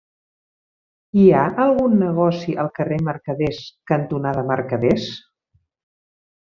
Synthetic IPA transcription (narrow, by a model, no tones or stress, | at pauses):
iaʔəlˠɣunːəɣɔsiʔəlˠkəreməɾkəðeskənt̪unaðəməɾkəðes